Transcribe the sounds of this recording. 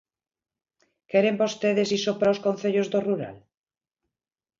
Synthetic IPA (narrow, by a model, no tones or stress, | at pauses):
keɾembost̪eðesisopɾaowskõnθeʎozðoruɾa̰l